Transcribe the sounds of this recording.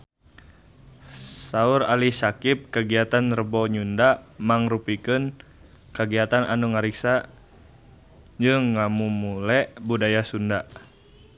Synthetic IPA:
sauɾalisakip̚kəɡiat̪anrəbɔɲundamaŋrupikɨn | kəɡiat̪anʔanuŋaɾiksa | d͡ʒɨŋːamumulɛʔbudajasunda

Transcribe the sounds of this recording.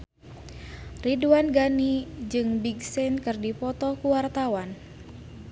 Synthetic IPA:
riduanɡanid͡ʒɨŋbiɡsɛnkɨrdipɔt̪ɔkuwart̪awan

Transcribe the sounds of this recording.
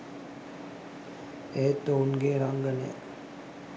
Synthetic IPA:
ɛt̪ːounɡeːɾaŋɡənɛ̰

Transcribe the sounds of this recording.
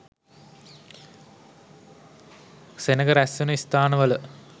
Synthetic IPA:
senəɡɐɾæsːunəist̪aːnəʋɐlə

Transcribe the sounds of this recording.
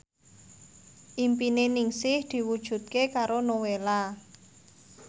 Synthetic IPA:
ʔimpinenɪŋsɪhd̪̥i̤wud̥ʒ̥ṳt̪̚kekaɾonowela

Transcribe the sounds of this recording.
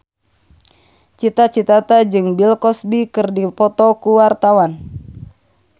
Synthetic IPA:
t͡ʃit̪at͡ʃit̪at̪ad͡ʒɨŋbilkɔsbikɨrdipɔt̪ɔkuwart̪awan

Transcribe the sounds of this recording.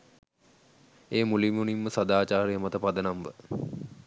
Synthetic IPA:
eːmulimunimːəsad̪aːt͡ʃaːɾijəmat̪əpad̪ənamʋə

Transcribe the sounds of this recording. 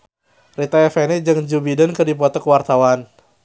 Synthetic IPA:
rit̪aɛfɛnɛd͡ʒɨŋd͡ʒubidankɨrdip̬ɔt̪ɔkəwart̪awan

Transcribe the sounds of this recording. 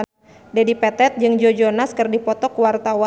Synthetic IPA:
dɛdipɛt̪ɛt̪̚d͡ʒɨŋd͡ʒod͡ʒonaskɨrdipɔt̪ɔkuwart̪awa

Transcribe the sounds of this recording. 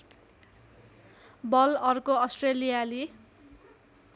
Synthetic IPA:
bʌlʌrkoʌsʈrelijali

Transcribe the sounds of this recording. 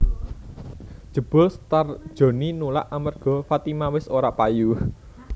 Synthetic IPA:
d̥ʒ̥ə̤b̥ʊ̤lst̪ard̥ʒ̥o̤ninula̰ʔamarɡ̥ɔ̤fat̪imawɪsoɾaʔpaju

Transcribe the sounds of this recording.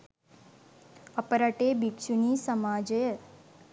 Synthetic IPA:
ɐpəɾaʈeːbikʃunisəmaːd͡ʒəjə

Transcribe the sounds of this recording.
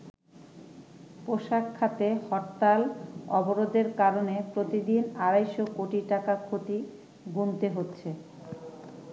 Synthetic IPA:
poʃakʰːat̪ehɔʈt̪alɔboɾod̪eɾkaɾonepɾot̪id̪inaɾajʃokoʈiʈakakʰot̪i | ɡunt̪eɦotːɕʰe

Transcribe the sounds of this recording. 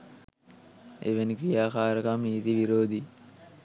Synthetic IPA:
ḛʋenikɾijaːkaːɾɐkamniːt̪iʋiɾoːd̪i

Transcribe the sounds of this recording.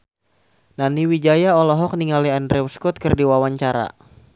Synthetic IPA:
naniwid͡ʒajaɔlɔɦɔk̚niŋaliandɾɛwskɔt̪̚kɨrdiwawaɲt͡ʃaɾa̰

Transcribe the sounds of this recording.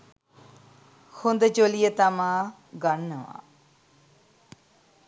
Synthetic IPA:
hʊnd̪t͡ʃoːlijət̪amãː | ɡəɳnəʋã̰ː

